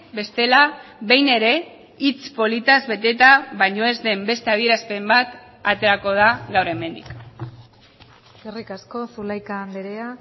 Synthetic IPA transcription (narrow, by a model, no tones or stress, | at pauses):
be̞st̪e̞laβe̞jne̞ɾe̞ | it͡spo̞lit̪azβe̞t̪e̞t̪aβajɲo̞e̞zðe̞mbe̞st̪e̞að̞ie̞ɾaspe̞mbat̪ | at̪e̞ɾako̞ð̞aɣawɾe̞me̞nd̪ik | erikasko̞sulajkand̪eɾea